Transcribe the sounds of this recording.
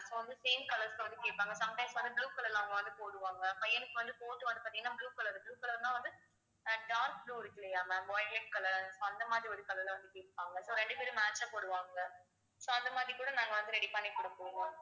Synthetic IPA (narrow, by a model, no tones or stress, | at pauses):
soːʋɐnd̪ɯseːmkɐlɐɾskːɯʋɐnd̪ɯkeːʈ̚pːaːŋɡɐsoːɐmʈɐɪsʋɐnd̪ɯbluːkɐɭɐɾlaːʋɐŋɡɐʋɐnd̪ɯpoːɽɯʋaːŋɡɐpɐjɐnɯkːɯʋɐnd̪ɯpoːʈːɯʋɐnd̪ɯpaːʈt̪iŋɡɐnːaːbluːkɐlɐɾɯbɭuːkɐlɐɾnãːʋɐnd̪ɯ | ɖaːnsbluːɪɾɯkːɪlɐjaːmɐbɔːjlɛʈ̚kɐlɐɾsoːɐnd̪ɐmaːðɾiʋɐnd̪ɯkɐlɐɾlɐʋɐnd̪ɯkeːʈpːaːŋɡɐsoːɾɛɳɖɯpeːɾɯmaːt͡ʃaːpoːɽɯʋaːŋɡɐ | soːɐnd̪ɐmaːðɾikuːɽɐnaːŋɡɐʋɐnd̪ɯɾɛɽipɐnːekɔɽɐpʊːɽɯŋãː